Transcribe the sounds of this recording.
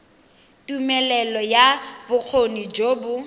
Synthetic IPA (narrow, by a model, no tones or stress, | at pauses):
tʼumɛlɛlɔjab̥ʊk͡xʰonid͡ʒoːbʊ